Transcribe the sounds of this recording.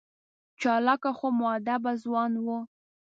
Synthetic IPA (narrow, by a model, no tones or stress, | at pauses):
t͡ʃɑlɑkaxomwɑad̪abazwɑnwu